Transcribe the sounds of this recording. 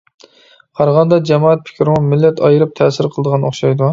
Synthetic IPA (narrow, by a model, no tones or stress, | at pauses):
qʰɑɾʁɑnd̪ɑd͡ʒɛmɑːɛt̪̚pʰɪ̥kʲʰɾmʊmɪlːɛt̪ʰɑjɨɾɨp̚t̪ʰɛːsɪɾqʰəlˠd̪əʁɑnoχʃɑjd̪u